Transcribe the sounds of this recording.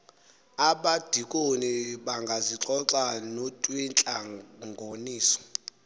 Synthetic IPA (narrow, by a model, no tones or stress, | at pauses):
aɓad̥ʱikʼoniɓaŋɡʱaziǁɔǀanotʼwint͡ɬʼaŋɡʱoniːsɔ̥